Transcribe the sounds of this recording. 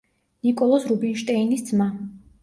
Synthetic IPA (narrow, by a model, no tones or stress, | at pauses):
nikʼɔlˠɔsɾubinʃt̪ʼɛinisd̪zma